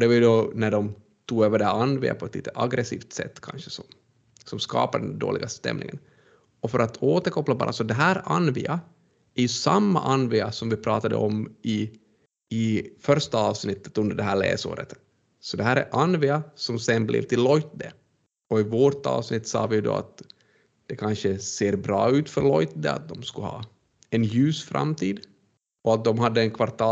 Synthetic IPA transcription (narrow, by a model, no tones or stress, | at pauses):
ɔd̪ɛvɑɾjʉd̪ɔnæɖɔm | t̪ʰuːɡøːvəɖɛhæɾanːvɪ̰a̰pʰɔɛt̪lḭːt̪əʔaɡɾɛsiːft̪sɛ̰t̪ːkʰanɕə̥sɔm | sɔmskɑ̰ːpaɖɛnd̪o̰ːlɪɡast̪ɛ̰mnɪ̰ŋən | ɔfœɾʔat̪ʰoːt̪əɾkʰɔpːlabɑ̰ːɾʔasɔd̪ɛɦæːɾanːvɪ̰a | æɾjʉsamːa̰ʔanvɪasɔmvɪpʰɾɑːt̪ad̪ə̰ʔɔmɪ | ɪfœɾʂt̪aɑːvsnɪt̪ʰːə̥t̪ɵnd̪əɖɛɦæːɭḛːso̰ːɾət̪ | sɔd̪ɛɦæːɾæ̰ɾʔanvɪasɔmsɛnblʔɛ̰vt̪ʰɪlːɔjt̪̚d̪ɛ | ɔɪvoːʈɑ̰ːvsnɪt̪ːsɑ̰ːvɪd̪ɔ̰a̰t̪ | d̪̥ɛkʰanʂəseːɾbɾɑːʉ̟ːt̪fœɾɭɔjt̪d̪ɛa̰t̪̚d̪ɔmskɵhɑ̰ː | ɛnjʉ̟ːsfɾa̰mt̪ʰiːd̪ | ɔat̪̚d̪ɔmɦad̪ːəɛnkʰvaɾt̪ʰɑː